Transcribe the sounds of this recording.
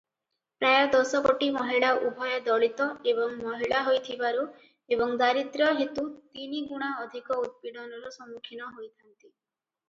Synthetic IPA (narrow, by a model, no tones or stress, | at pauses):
pɾajɔd̪ɔsɔkoʈimɔɦiɭaʔubʱɔjɔd̪ɔɭit̪ɔebɔŋmɔɦiɭaɦojt̪ʰibaɾu | ebɔŋd̪aɾit̪ɾɔɦet̪ut̪iniɡuɽ̃aɔd̪ʱikɔut̪̚piɖɔnɔɾɔsɔmukʰinɔɦojt̪ʰant̪i